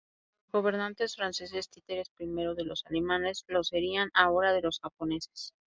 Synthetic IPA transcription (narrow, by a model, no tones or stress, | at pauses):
ɡo̞β̞e̞ɾnãnt̪e̞sfɾanse̞s̬e̞st̪it̪e̞ɾe̞spɾime̞ɾo̞ðe̞lo̞salemane̞zlose̞ɾianao̞ɾaðe̞lo̞sxapo̞ne̞se̥s